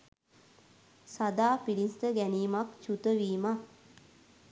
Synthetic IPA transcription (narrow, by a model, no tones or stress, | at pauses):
sad̪aːpilinst̪əɡæniːmakt͡ʃut̪əʋiːma